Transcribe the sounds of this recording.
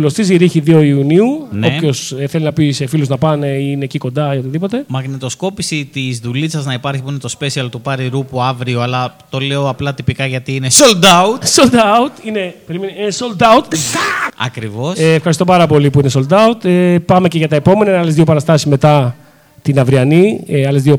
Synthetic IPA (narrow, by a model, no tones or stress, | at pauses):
lo̞st̪iziɾiçiðio̞iuniuno̞pço̞seθelinɐpisefiluznɐpɐne̞iine̞ciko̞nd̪ɐio̞t̪iðipo̞t̪e̞mɐɣnet̪o̞sko̞pisit̪izðulisɐznɐipɐɾçipuinet̪o̞spe̞siɐlt̪upɐɾiɾupuɐvɾioɐlɐt̪o̞le̞oɐplɐt̪ipikɐʝɐt̪iːinesold̪aɐut̪sold̪ɐut̪ine̞peɾimenisold̪ɐut̪ | ɐ̰kɾivo̞sːfxɐɾist̪o̞pɐɾɐpo̞lipuinesold̪ɐut̪epɐme̞ce̞ʝɐt̪ɐepo̞menɐinɐle̞zðiopɐɾɐst̪ɐsi̥sme̞t̪ɐ | t̪inɐvɾiɐniɐle̞zðio